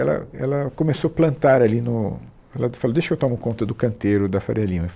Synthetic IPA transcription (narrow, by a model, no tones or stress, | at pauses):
ɛlɐ̰ɛ̰lɐkomesoplɐ̃nt̪aɾalinʊ | ɛlɐfalod̪eʃɐewt̪õmʊkõnt̪ɐd̪ʊkɐ̃nt̪eɾʊd̪ɐfaɾiɐlĩmɐ